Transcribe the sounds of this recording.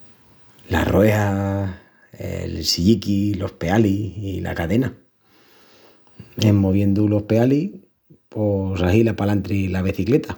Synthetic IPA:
la̰roe̞ha | ḛlsiʝikilo̞hpe̞aliila̰kaðe̞na | emːo̞β̞je̞nd̪ulo̞hpe̞alih | posaɦilapalant̪ɾilaβ̞eθikle̞t̪a

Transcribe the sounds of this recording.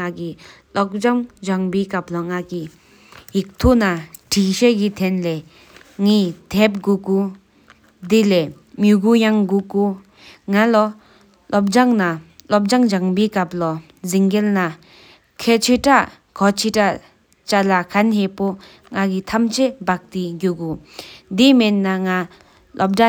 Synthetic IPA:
ŋakilɔk̚d͡ʑaŋd͡ʑaŋbikap̚lɔŋaki | jik̚t̪ʰonaʈ͡ʂʰiɕekit̪ʰɛnle | ŋit̪ʰɛp̚ɡuku | d̪ile | mjuɡujaŋɡuku | ŋalɔ | lop̚d͡ʑaŋnalop̚d͡ʑaŋd͡ʑaŋpekap̚lɔ | ziŋɡelna | kʰet͡ɕʰøʈ͡ʂaʔ | kʰɔt͡ɕʰiʈ͡ʂa | t͡ɕalakʰanɦeʔpo | ŋakit̪ʰamt͡ɕʰebak̚t̪iɡukud̪imenːaŋa | lop̚ʈ͡ʂa

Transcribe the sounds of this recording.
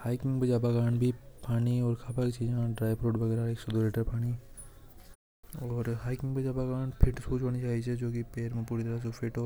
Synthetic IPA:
haːɪkɪ̃ŋɡbɐd͡ʒaːbakaːnbʱipaːniɔːɾkʰaːpakit͡ʃiːd͡ʒãɖɾaːɪbɾoːʈʋɐɡɛːɾaeːksod̪oleːʈəɾpaːɽ̃i | ɔːɾɦaːɪkɪ̃ŋɡbɐd͡ʒaːbakaːnpʰɪʈsuːt͡ʃoːnit͡ʃaːɦit͡ʃʰed͡ʒoːkipeːɾmẽpuːɾit̪əɾas̬epʰɪʈoː

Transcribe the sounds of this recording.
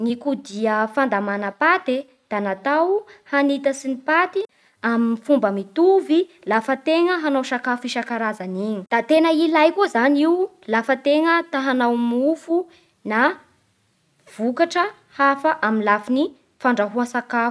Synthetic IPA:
nikud̪iəfand̪amanəpat̪e | d̪̥anat̪awhanit̪əsinipat̪i | aminifumbəmit̪uvi | lafət̪eŋəɦanawsakafiʃakaɾazaniɲid̪̥at̪enəilajkuzaniwu | lafət̪eŋət̪aɦanawmufu | na | v̥ukaʈ͡ʂə | hafəʔaminlafini | faɳɖ͡ʐaɦuasakafu̥

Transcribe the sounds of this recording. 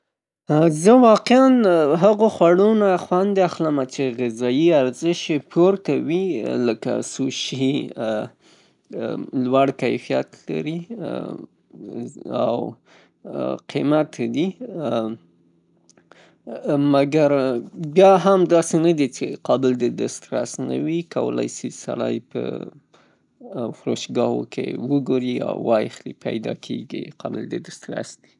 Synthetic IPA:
zəwɑqeanɦaɣoxwaɽonaxwand̪eaxləmat͡ʃeɣɪzɑjiaɾzɪʃepʰoɾt̪awiləka̰suʃi | lwaɽkajfija̰t̪la̰ɾi | a̰w | qʰimat̪d̪i | maɡaɾbjɑɦamd̪ɑsenad̪it͡ʃeqɑbɪld̪əd̪ast̪ɾasna̰wikawə̰la̰jsisaɽɑjpə | xɾoʃɡɑhokʰḛwəɡoɾia̰wːɑjexlipa̰jd̪ɑkʰeɡḭqɑbɪld̪əd̪ast̪ɾa̰sd̪̥i

